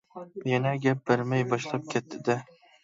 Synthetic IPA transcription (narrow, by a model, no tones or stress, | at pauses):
janaɡʲap̚baɾmajbɒʃlap̚kʲʰet̪ːɪd̪ɪ